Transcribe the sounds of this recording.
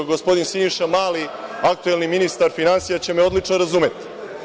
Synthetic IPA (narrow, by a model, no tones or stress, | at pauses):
ɡospo̞d̪insinʃamaːliak̚t̪uelniminist̪aɾfinansijat͡ɕe̞meo̞d̪lit͡ʂnoɾazuːmet̪i̥